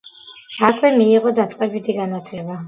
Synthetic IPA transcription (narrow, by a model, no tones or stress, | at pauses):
ʃakʰwɛmiːʁɔd̪at̪sʼqʼɛbit̪ʰiɡanat̪ʰlɛba